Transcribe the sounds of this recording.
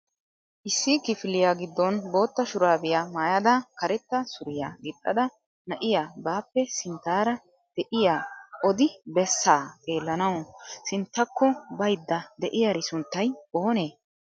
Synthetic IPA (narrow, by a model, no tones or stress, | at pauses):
ʔɪsːɪkɪfɪlɪjaːɡɪd̪ːɔnbo̞ːt̪ːɐʃʊɾaːbɪjaːmaːjɐd̪ɐkɐɾɛt̪ːɐsʊɾɪjaːɡɪt̪ʼːɐd̪ɐ | nɐʔɪjaːbaːpːɛsɪnt̪ːaːɾɐ | d̪̥ɛʔɪjaːʔɔd̪ɪbɛsːaːkʼe̞ːlːɐnɐwsɪnt̪ːɐkːɔbɐjd̪ːɐd̪ɛʔɪjɐɾɪsʊnt̪ːɐjo̞ːneː